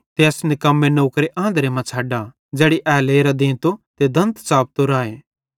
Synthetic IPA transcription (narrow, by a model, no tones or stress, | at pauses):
t̪eːɐsnɪkɐmːenoːkɾeʔãːnd̪ɾemãt͡ʃʰaːɖa | d͡ʒɛːɽiʔɛːleːɾad̪ẽːt̪ot̪ed̪ʱɐ̃nt̪saːp̚t̪oɾaːeː